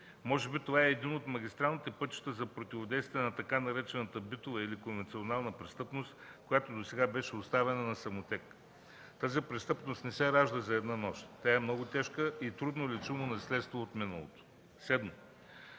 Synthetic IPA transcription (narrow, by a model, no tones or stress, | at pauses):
mɔʒɛbit̪ovaɛːd̪inot̪mɐɡʲist̪ɾalˠnʲit̪ɛpɤt̪t͡ʃi̥t̪əzɐpɾot̪ʲivod̪ɛjst̪viɛnɐt̪ɐkanɐɾɛt͡ʃɛnət̪əbit̪ovɐilikonvɛnt̪sʲionalˠnəpɾɛst̪ɤpnost̪kojat̪od̪osɛɡabɛʃɛʊst̪avɛnənɐsɐmot̪ʲɛk | t̪azipɾɛst̪ɤpnost̪nɛsɛɾaʒd̪əzɐɛd̪nanɔʃt̪t̪ʲaɛmnɔɡʊt̪ɛʃkəit̪ɾud̪nolɛt͡ʃumonɐslɛt̪st̪voot̪minə̰lˠo̰t̪o̥ | sɛd̪mo